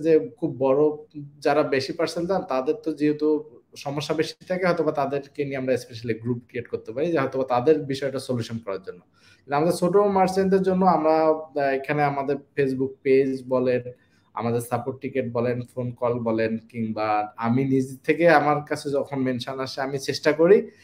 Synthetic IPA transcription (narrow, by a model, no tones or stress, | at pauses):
d͡ʑekʰubːɔɾod͡ʑaɾabeʃipaɾseld͡ʑant̪ad̪eɾt̪od͡ʑiɦet̪uʃɔmoʃːabeʃit̪ʰakeɦɔt̪obat̪ad̪eɾkenieamɾaespeʃ̬aliɡɾup̚kɾieʈkoɾt̪epaɾid͡ʑeɦɔt̪obat̪ad̪eɾbiʃɔeʈasoljuʃonkɔɾaɾd͡ʑonːo | elamad̪eɾsoʈomaɾsend̪eɾd͡ʑonːoamɾaekʰaneamad̪eɾfes̬buk̚ped͡ʑbɔlen | a̰mad̪eɾsapoʈʈːikeʈ̚bɔlenfonkɔlbɔlenkiŋbaaminid͡ʑitt̪ʰːekeamaɾkat͡ɕʰed͡ʑɔkʰonmenʃonaʃeamit͡ɕeʃʈakoɾi